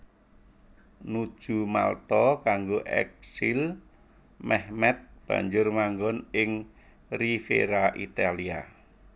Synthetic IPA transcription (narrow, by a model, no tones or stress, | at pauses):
nu̥ʒ̥ṳma̰lt̪ɔkaŋɡoʔɛ̰k̚sil | mɛhmɛt̪̚b̥a̤̰ɲd͡ʒʊrmaŋɡɔnɪŋ | rifḛɾaʔit̪alia̰